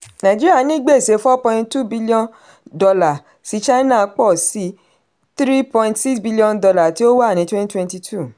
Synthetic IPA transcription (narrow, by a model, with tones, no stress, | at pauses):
nã˨d͡ʒi˦ɾi˦a˦˨nĩ˦ɡ͡be˦˨se˨˧˦fɔ˦pɔ̃˧ĩ˧nttu˦bi˦li˦ɔ̃˦n | dɔ˧la˨ | si˨˦t͡ʃa˦nã˦˨˧k͡pɔ˦˨si˨˦ | t̪ɾi˦pɔ̃˧ĩntsi˦ksbi˦li˦ɔ̃˧ndɔ˧la˨ti˨˦o˦wa˦˨nĩ˨˦twɛ̃˦ni˦twɛ̃˧nti˧tʰu˦˨